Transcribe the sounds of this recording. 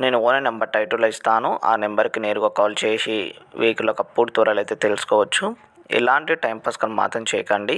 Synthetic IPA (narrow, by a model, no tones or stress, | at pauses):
neːnuoːnɐnembɐɾʈɐjʈuɾlɐist̪aːnuʔa̰ːnembɐɾkine̞ːɾuɡɐkɔːlt͡ʃeːʂiʋeːkilːoːkɐpːuɽt̪uːɾɐlɐjt̪eːt̪elusu̥kɔːʋɐt͡ʃːu | ḭlaːɳʈiʈɐjmpɐskɐnma̰ːt̪ʰɐmt͡ʃɛ̰ːjɐkɐɳɖi